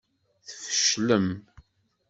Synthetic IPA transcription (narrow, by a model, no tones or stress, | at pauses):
θfə̥ʃləm